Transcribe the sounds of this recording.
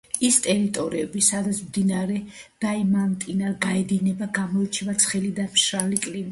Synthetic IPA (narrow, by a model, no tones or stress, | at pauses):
ist̪ʼɛɾit̪ʼɔɾiɛbisad̪at̪sʰmd̪inaɾɛd̪̥aimant̪ʼinaɾɡaɛd̪inɛbaɡamɔit͡ʃʰɛvat̪sʰχɛlid̪amʃɾalikʼlim